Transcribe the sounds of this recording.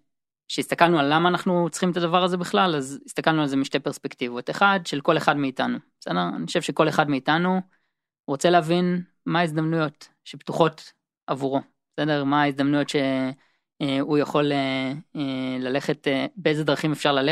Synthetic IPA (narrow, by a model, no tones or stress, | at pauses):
ʃeist̪akalnualːamaːnaχnut͡sχimet̪adavaʁaze̞biχlalazist̪akalnualzemiʃtepe̞ʁspekt̪ivo̞te̞χadʃelko̞le̞χadmeitanubesedeʁa̰niχoʃevʃeko̞le̞χadmeitanu | ʁot͡se̞leavin | maizd̪amnujo̞t | ʃept̪uχo̞t | avuʁo̞ | besedeʁmaːizd̪amnujo̞tʃe̞ | ujaχo̞leelale̞χe̞t̪beejze̞dʁaχimefʃaʁlale